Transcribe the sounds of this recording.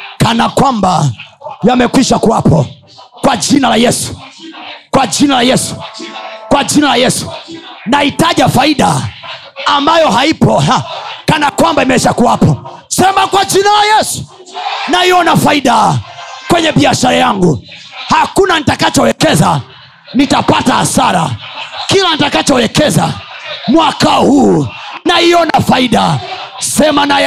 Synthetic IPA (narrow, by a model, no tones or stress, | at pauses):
kanakwambajamɛkwiʃakuwapʰɔ | kwad͡ʒinalajɛsu̥ | kwad͡ʒinalajɛsu̥ | kwad͡ʒinalajɛsu̥naitaʄafaiɗaː | mbajɔɦaipɔakanakwambaimɛʃakuwapʰɔ | sɛmakwad͡ʒinalajɛsu̥ | naiɔnafaiɗakwɛɲɛɓiaʃaɾajaŋɡuhakunanitakat͡ʃɔwɛkɛza | nitapataha̰saɾa̰kilanitakat͡ʃɔwɛkɛza̰mwakahuːnaiɔnafaiɗasɛmanaj